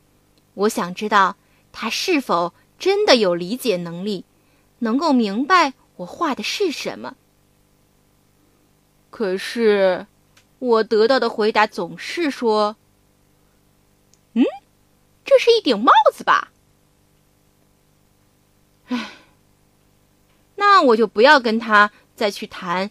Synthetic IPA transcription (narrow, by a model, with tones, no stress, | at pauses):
wɔ˧˥ɕjɑ˨˩ŋʈ͡ʂɻ̩˥t̪ɑ˥˩ʊ | t̪ʰa˥ʂɻ̩˥˩fo˨˩ʊ | ʈ͡ʂə˥nd̪ə˨jo˨˩ʊli˧˥t͡ɕjɛ˨˩nɤ˧˥ŋli˥˩ | nɤ˧˥ŋko˥˩ʊmi˧˥ŋpa˧ɪ | wɔ˨˩xwa˥˩d̪ə˩ʂɻ̩˥˩ʂə̰˧˥nmə̰˧ | kʰɤ˨˩ʂɻ̩˥˩ | wɔ˨˩t̪ɤ˧˥t̪ɑ˥˩ʊd̪ə˩xwe˧˥ɪt̪a˧˥t͡sʊ˨˩ŋʂɻ̩˥˩ʂwɔ˥ | n̩˥˩ | ʈ͡ʂɤ˥˧ʂɻ̩˥˧i˥˩t̪jɛ˨˩nmɑ˥˩ʊd͡zɹ̩˨˩bɐ̰˨˩ | a˥˩ɪ | na˥˩wɔ˨˩t͡ɕjo˥˩ʊpu˧˥jɑ˥˩ʊk̬ə˥nt̪ʰa˥ | t͡sa˥˧ɪt͡ɕʰy˥˩t̪ʰa˧˥n